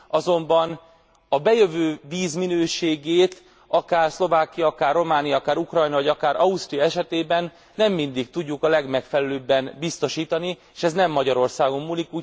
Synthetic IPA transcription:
ɒzo̞mbɒn | ɒbɛjø̞vøːviːzminøːʃeːɡeːt̪ | ɒkaːrslo̞vaːkijɒɒkaːrːo̞maːnijɒɒkaːɾukrɒjnɒvɒɟɒkaːɾʔɒust̪rijɒɛʃɛt̪eːbɛnː | ɛmːind̪ikt̪uɟːukɒlɛɡmɛkfɛlɛløːbːɛnbist̪o̞ʃiːt̪ɒnieːʃɛznɛmːɒɟɒɾo̞rsaːɡo̞mːuːlikuː

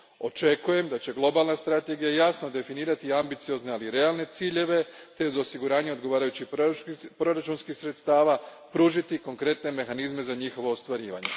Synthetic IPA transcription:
o̞t͡ʃe̞kuje̞md̪at͡ɕe̞ɡlˠo̞balˠnast̪ɾat̪e̞ɡijajasno̞d̪e̞finiːɾat̪iambit̪sijo̞zne̞aliɾe̞alne̞t̪siːʎe̞ʋe̞t̪e̞uzosiɡuɾaːɲeo̞d̪ɡo̞ʋaːɾajut͡ɕipɾo̞ɾat͡ʃunskixsɾe̞t̪st̪aːʋapɾuːʒit̪iko̞ŋkɾe̞t̪ne̞me̞xanizme̞zaɲixo̞ʋo̞ːst̪ʋaɾḭːʋa̰ɲe̞

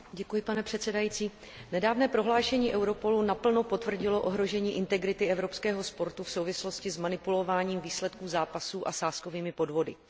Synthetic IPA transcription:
ɟɛkujɪpanɛpr̥ɛt̪sɛdajit͡siː | nɛdaːvnɛːpɾo̞ɦlaːʃɛɲiːʔɛwɾo̞po̞lunapl̩nopo̞t̪vr̩ɟɪlo̞ʔo̞ɦɾo̞ʒɛɲiːʔɪnt̪ɛɡɾɪt̪ɪɛvɾo̞pskɛːɦo̞spo̞ɾt̪ufso̞wvɪslo̞scɪzmanɪpulo̞vaːɲiːmviːslɛt̪̚kuːzaːpasuːʔasaːsko̞viːmɪpo̞dvo̞dɪ̰

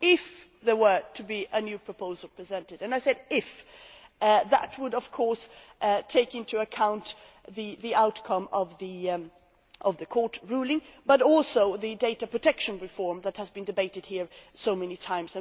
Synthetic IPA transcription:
ɪf | ðə˞wə˞tʰɨbiʔɨnjʉpʰɹ̥ɨpʰoʊzl̩ˠpʰɹ̥izɛ̃ntɨdɨ̃naɪsɛɾɪf | ðə̰t̚wəɾʌv̥kʰɔɹsʔtʰeɪkɪ̃ntʉɨkʰãʊ̃nt̪ | ðɨðiʔaʊt̚kʰʌ̃mʌvði | ʔʌvðɨkʰɔɹtɹulˠɪ̃ŋb̥ʌɾɔlˠsoʊðɨdeɪɾɨpʰɹ̥ɨtʰɛkʃɨ̃nɹɨfɔɹmðɨt̚hɨzbɨ̃ndɨbeɪɾɨd̚hiɹsoʊmɛnitʰãɪ̃mzɨ̃

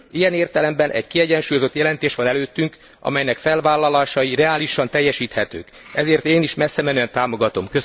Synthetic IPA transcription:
ijɛneːrt̪ɛlɛmbɛnʔɛ̰ɟkiɛɟɛnʃuːjo̞zo̞t̪jɛlɛnt̪eːʃʋɒnɛløːt̪ːyŋk | ʔɒ̰mɛjnɛkfɛlvaːlːɒlaːʃɒjirɛaːliʃɒnt̪ɛjːɛʃiːt̪hɛt̪ø̰ːk | ɛzeːrt̪eːniʃmɛsːɛmɛnøːɛnt̪aːmo̞ɡɒt̪o̞mkø

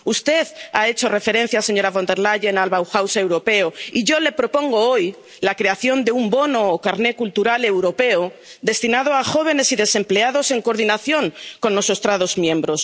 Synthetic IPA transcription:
ust̪e̞ða̰e̞t͡ʃo̞re̞fe̞ɾe̞n̟θjase̞ɲo̞ɾaβo̞nd̪e̞ɾlaʝenalβawxawse̞wɾo̞pe̞oiʝo̞le̞pɾo̞po̞ŋɡo̞oj | lakɾe̞aθjo̞nd̪eumbo̞noːkaɾne̞kult̪uɾale̞wɾo̞pe̞od̪e̞st̪inað̞oaxo̞β̞e̞ne̞siðe̞se̞mple̞að̞o̞se̞ŋko̞ɾðinaθjo̞ŋko̞nːo̞so̞st̪ɾað̞o̞zmjẽ̞mbɾo̞s

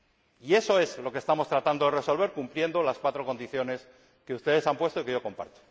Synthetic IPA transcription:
ie̞so̞e̞zlo̞kest̪amo̞st̪ɾat̪and̪o̞ðere̞so̞lβe̞ɾkumplje̞nd̪o̞laskwat̪ɾo̞ko̞nd̪iθjo̞ne̞s | keust̪e̞ðe̞sampwest̪oike̞ʝo̞ko̞mpa̰ɾt̪o̥

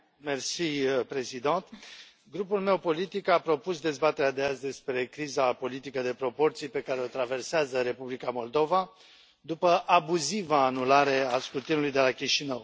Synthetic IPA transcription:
mersijpɾe̞zid̪ant̪ | ɡɾupulme̞wpo̞lit̪ikapɾo̞pusd̪e̞zbat̪eɾad̪eazd̪e̞spɾe̞kɾizapo̞lit̪ikəd̪e̞pɾo̞po̞rt̪sijpe̞kaɾe̞o̞t̪ɾave̞rseazəɾe̞publikamo̞ld̪o̞va | d̪upəʔabuzivaːnulaɾe̞askɾut̪inulujd̪e̞lakʲiʃinəw

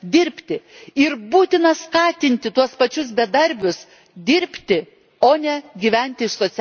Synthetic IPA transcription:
d̪ʲɪɾʲpʲt̪ʲɪɪɾbuːt̪ʲɪnɐskɑːt̪ʲɪnʲt̪ʲɪt̪uɔspɐt͡ʃʲʊs̬bʲɛd̪ɐɾʲbʲʊs | d̪ʲɪɾʲpʲt̪ʲɪ | oːnʲɛɡʲiʋʲɛnʲt̪ʲɪɪʃsoːsʲ

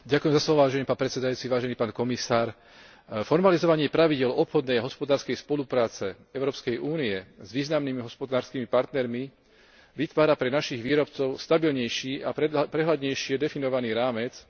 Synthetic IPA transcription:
ɟakujɛmzaslɔʋɔʋaːʒɛɲɛpaːnpɾɛt̪sɛd̪ajuːt͡siʋaːʒɛniːpaːnkɔmisaːɾ | fɔɾmalizɔʋaɲɪɛpɾaʋiɟɪɛlɔpxɔd̪nɛjaɦɔspɔd̪aːɾskɛjspɔlupɾaːt͡sɛ | ɛʊɾɔːpskɛjʔuːniɛzʋiːznamnimiɦɔspɔd̪aːɾskiːmipaɾt̪nɛɾmi | ʋit̪ʋaːɾapɾɛnaʃiɣʋiːɾɔpt͡sɔʊst̪abilɲɛjʃiːappɾɛɦlad̪ɲɛjʃɪɛd̪ɛfinɔʋaniːɾaːmɛt͡s

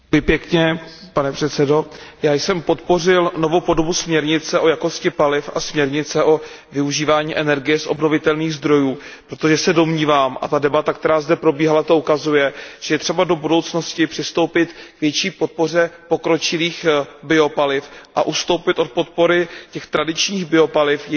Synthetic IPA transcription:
ɪpjɛkɲɛpanɛpr̥ɛt̪sɛdo̞jaːjsɛmpo̞t̪po̞r̝ɪlno̞vowpo̞do̞busmɲɛɾɲɪt͡sɛʔo̞jako̞scɪpalɪfasmɲɛɾɲɪt͡sɛʔo̞ | vɪuʒiːvaːɲiːʔɛnɛɾɡɪjɛsʔo̞̰bno̞vɪt̪ɛlniːɣzd̪ɾo̞juː | pɾo̞t̪o̞ʒɛsɛdo̞mɲiːvaːmʔa̰t̪adɛbat̪ak̚t̪ɛɾaːzdɛpɾo̞biːɦalat̪oʔukazujɛʒ̥ɛjɛt̪r̥ɛbado̞budo̞wt͡sno̞scɪpr̥ɪst̪owpɪt̪kvjɛt͡ʃiːpo̞t̪̚po̞r̝ɛpo̞kɾo̞t͡ʃɪliːxbɪo̞palɪfʔa̰ʔust̪o̞wpɪt̪ʔo̞t̪̚po̞t̪̚po̞ɾɪcɛxt̪ɾadɪt͡ʃɲiːɣbɪo̞palɪfj

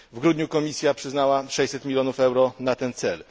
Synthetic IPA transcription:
vɡɾud̪ɲukɔmʲisʲjapʂɘznawaʂɛjʲsɛt̪mʲilʲjɔnufɛwɾɔnat̪ɛnt̪sɛl

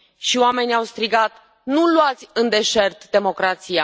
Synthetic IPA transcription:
ʃioame̞niawst̪ɾiɡat̪ | nuluat̪sʲɨnd̪e̞ʃe̞rt̪d̪e̞mo̞kɾat̪sija

